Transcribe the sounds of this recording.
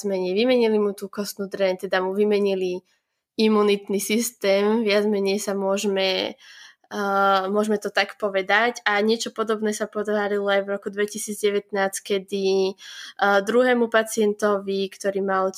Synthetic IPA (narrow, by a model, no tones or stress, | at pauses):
mɛɲɛjʋimɛɲilimut̪uːkɔst̪nuːd̪ɾɛnt̪ɛd̪amuʋimɛɲili | imːunit̪nisist̪ɛːmʋɪad͡zmɛɲɛjsamʊɔʒmɛ | mʊɔʒmɛt̪ɔt̪akpɔʋɛd̪aɟaɲɪɛt͡ʃɔpɔd̪ɔbnɛːsapɔd̪ʋaːɾilɔajvɾɔkud̪ʋɛcisiːd͡zɟɛʋɛt̪naːt͡skɛd̪i | d̪ɾuɦɛːmupat͡sɪɛnt̪ɔʋikt̪ɔɾiːmal